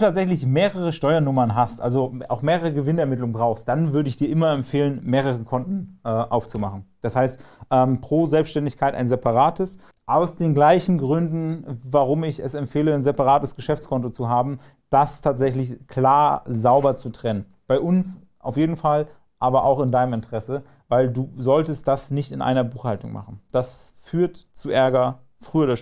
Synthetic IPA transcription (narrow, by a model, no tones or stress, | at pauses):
tʰaːtz̥ɛçlɪçmeːʁəʁəʃtɔʏɐnʊmɐnɦastʔa̰lzoa̰ʊxmeːʁəʁəɡəvɪnɛɐmɪt̬lʊŋənbʁaʊxst̚d̥anvʏɐɾəɪçd̥iːɐʔɪmɐɛmfeːlənmeːʁ̞əʁəkʰɔntn̩ʔɛːʔa̰ʊft͡sumaχn̩d̥ashaɪstʔɛːmpʁ̥oːzɛlpsʃtɛndɪçkʰaɪtʔa̰ɪnzɛpaʁaːtəs | ʔaʊsd̥eːnɡlaɪçn̩ɡʁʏndn̩vaʁʊmɪçɛsɛmfeːləɪnzɛpaʁaːtəsɡ̥əʃɛft͡skʰɔntot͡suɦaːbm̩ | d̥astʰaːtz̥ɛçlɪçkʰl̥aːɐzaʊbɐt͡sutʁ̥ɛnən | b̥aɪʔʊns | ʔa̰ʊfjeːdn̩fal | ʔaːbɐʔaʊxɪndaɪnəmɪntəʁ̥ɛsə | vaɪlduːzɔltəst̚d̥asnɪçtɪnʔa̰ɪnɐbuːxhaltʊŋma̰χn̩d̥asfyːɐtt͡suʔɛɐɡɐ | fʁ̥yːɐdaɐʃ